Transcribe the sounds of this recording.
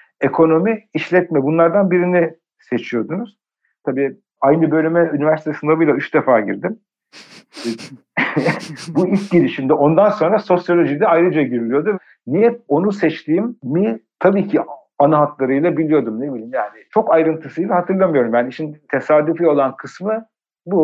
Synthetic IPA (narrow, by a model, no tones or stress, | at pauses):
e̞kʰo̞no̞miːʃlʲɛt̪mɛbunlˠaɾd̪anbiɾini | set͡ʃʰijo̞d̪unuz̥ | t̪ʰabiː | ajnɯbø̞lʲymɛynivæɾsit̪ʰesind̪abilʲˠayt͡ʃd̪efaːɟiɾd̪im | builʲcɟiɾiʃimd̪ɛo̞nd̪anso̞nɾaso̞sjo̞lʲo̞ʒid̪ɛajɾɯd͡ʒaɟiɾilʲijo̞d̪u | nijɛt̪̚o̞nusɛt͡ʃt̪ʰiːmmit̪ʰabiːcʰi | anaɦat̪lˠaɾɯjlˠabilʲijo̞d̪umnebilʲimjaːnɪt͡ʃʰo̞kajɾɯnt̪ʰɯsɯjlˠaɦat̪ʰɯɾlˠamɯjo̞ɾumjaːniʃint̪ʰe̞saːd̪yfio̞lˠankʰɯsmɯ | bu